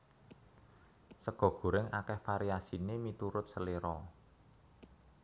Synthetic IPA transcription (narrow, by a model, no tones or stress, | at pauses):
səɡ̥ɔ̤ɡ̥ṳɾɪŋakɛhfaɾiasinemit̪uɾʊt̪̚səleɾɔ